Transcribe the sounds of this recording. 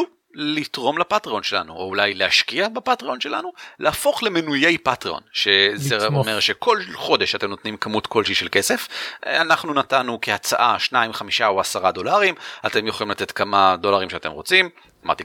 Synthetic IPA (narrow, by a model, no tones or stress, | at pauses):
u | litʁo̞mlapatʁio̞nʃe̞la̰nuoulajlehaʃkiabepatʁio̞nʃe̞la̰nulʔeafo̞χlemenuje̞jpatʁio̞̰nʃezeome̞ʁʃe̞kʰo̞lχo̞deʃate̞mno̞t̪nimkamutko̞lʃiʃelke̞se̞fanaχnunatanukeat͡sa̰ʔaʃnaimχamiʃaoasaʁado̞laʁimate̞mjeχolimlate̞tkamado̞laʁimʃeate̞̰mʁo̞t͡sim | ama̰ʁt̪i